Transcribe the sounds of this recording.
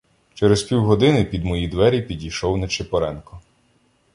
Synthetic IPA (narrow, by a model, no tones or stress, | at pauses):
t͡ʃɛɾespʲiwɦɔd̪ɪnɪpʲid̪mɔjid̪ʋɛɾʲipʲidʲijʃɔwnɐt͡ʃɪpɔɾɛnkɔ